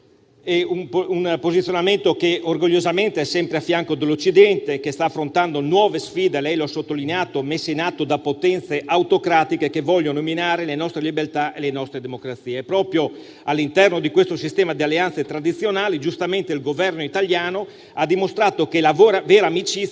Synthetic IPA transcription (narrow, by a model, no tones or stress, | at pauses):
eumunpozit̪sjonament̪okeorɡoʎːozament̪eɛsːɛmpɾeafːjaŋkod̪elːot͡ʃːid̪ɛnt̪ekest̪aːfːɾont̪and̪onwɔːvesfiːd̪elɛjloasːot̪ːolineaːt̪omesːeinat̪ːod̪apot̪ɛnt̪seʔawt̪okɾaːt̪ikekevɔʎːonominaːɾelenɔst̪ɾelibert̪aʔelenɔst̪ɾed̪emokɾat̪siːepɾɔːpɾjo | alːint̪ɛrnod̪ikwest̪osist̪ɛːmad̪ialːeanset̪ɾad̪it̪sːjonaːlid͡ʒust̪ament̪eilɡovɛrnoit̪aljaːno | ad̪ːimost̪ɾaːt̪okelavoːɾavɛːɾamit͡ʃi